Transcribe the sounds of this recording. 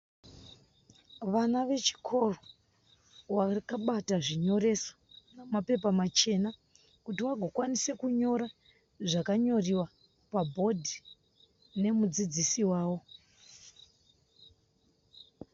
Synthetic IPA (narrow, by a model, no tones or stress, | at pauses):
ʋanaʋe̞t͡ʃi̥kʰo̞ro | warkaɓataʐiɲo̞ɾe̞so̥namape̞pamat͡ʃe̞na | kutiwaɡʱokwanise̞kuɲo̞ɾa | ʐakaɲo̞riwa | pabʱo̞dʱi | ne̞mud͡zid͡zisiwaːwo̞